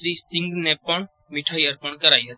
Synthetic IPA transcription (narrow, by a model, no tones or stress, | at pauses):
ɾiːsɪ̃ŋɡnẽpəɳ | mɪʈʰaːiəɾpəɳkəɾaːiɦət̪i